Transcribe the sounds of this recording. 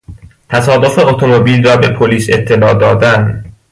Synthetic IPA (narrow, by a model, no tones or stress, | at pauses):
t̪ʰæsɒːd̪o̞fe̞ot̪ʰomobiːlrɒːbe̞pʰoliːse̞t̪ʰːe̞lɒːd̪ɒːd̪æn